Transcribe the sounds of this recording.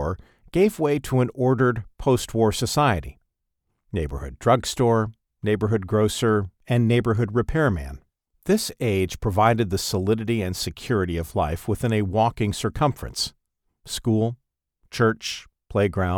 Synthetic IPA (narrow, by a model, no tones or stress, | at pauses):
ɹ | ɡ̥eɪvweɪɾəə̃nɔɹɾə˞d̚pʰoʊst̚wɔɹsɨsaɪɨɾḭ | neɪbə̰˞hʊ̰dɹʌɡstɔɹ | neɪbə˞ɦʊd̚ɡɹoʊsə˞ɨ̃nːeɪbə˞ɦʊd̚ɹɨpʰɛɹmæ̰̃n | ðɪseɪdʒ̥pʰɹ̥ɨvaɪɾɨd̪̚ðɨsəlɪɾɨɾiɨ̃nsɨkʰj̥ʊɹɨɾiʌvlaɪfwəθɪ̃nɨwɔkɪ̃ŋsə˞kʰʌ̃ɱfɹɨ̰̃ns | skulˠ | t͡ʃʰɜ˞t͡ʃ | pʰl̥eɪɡɹãʊ̃